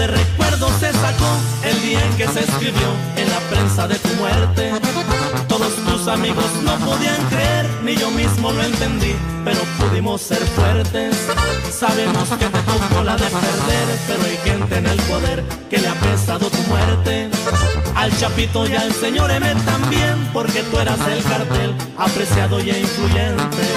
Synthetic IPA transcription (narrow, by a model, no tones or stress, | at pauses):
d̪erekwe̞ɾðo̞se̞sako̞ | e̞ld̪iaeŋke̞seːskɾiβjo̞ | e̞nlapɾe̞nsaðe̞t̪umwe̞ɾt̪e̞ | t̪o̞ðo̞st̪usamiɣo̞sno̞poðiaŋkɾe̞eɾniʝo̞mizmo̞lo̞e̞nt̪e̞nd̪i | pe̞ɾo̞puðimo̞sːe̞ɾfwe̞ɾt̪e̞sː | aβe̞mo̞ske̞t̪e̞t̪o̞ko̞laðe̞pe̞ɾðe̞ɾpe̞ɾo̞ajxe̞nt̪e̞ːne̞lpo̞ðe̞ɾ | ke̞leape̞saðo̞t̪umwe̞ɾt̪e̞ | alt͡ʃapit̪o̞ʝalse̞ɲo̞ɾemet̪ambje̞mpo̞ɾke̞t̪ue̞ɾaselkaɾt̪e̞l | apɾe̞sjaðo̞jeiɱfluʝe̞nt̪e̞